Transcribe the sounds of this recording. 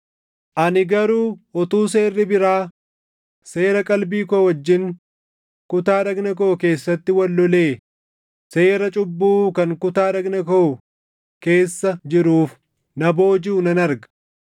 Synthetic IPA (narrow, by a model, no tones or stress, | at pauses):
ʔɐnɪɡɐɾuːɔt̪uːs̬e̞ːrːɪbɪɾaː | se̞ːɾɐkʼɐlbiːkowɐd͡ʒːɪŋ | kʊt̪aːᶑɐɡnɐk̬oːke̞ːsːɐt̪ːɪwɐlːɔle̞ː | se̞ːɾɐt͡ʃʼʊbːuːkɐŋkʊt̪aːᶑɐɡnɐko | ke̞ːsːɐd͡ʒɪɾuːf | nɐbo̞ːd͡ʒuːnɐnɐɾɡɐ̥